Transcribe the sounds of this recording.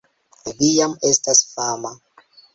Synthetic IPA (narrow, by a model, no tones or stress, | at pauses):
vijamestasfaːma